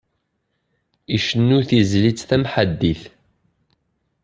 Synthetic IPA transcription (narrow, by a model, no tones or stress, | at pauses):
iʃənːuθizlit͡sθæmħad̪ːiθ